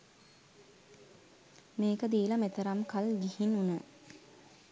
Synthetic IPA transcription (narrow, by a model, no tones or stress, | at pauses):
meːkəd̪iːlɐmet̪əɾamkalɡihinunə